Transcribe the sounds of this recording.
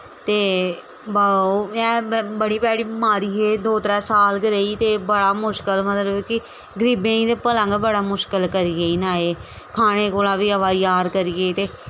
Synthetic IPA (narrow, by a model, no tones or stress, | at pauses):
t̪eː | baːoɛ̃ːbəɽiːbɛːɽiːmaːɾiːeːd̪oːt̪ɾɛːsaːlɡəɾeːiːt̪eːbəɽaːmʊʃkəlmət̪ləbkɪ | ɡəɾiːbẽːĩːd̪eːpəlãːŋɡbəɽaːmʊʃkəlkəɾijeːiːnaːeː | kʰaːɽ̃eːkoːlãːbiːəʋaːjaːɾkəɾiːet̪eː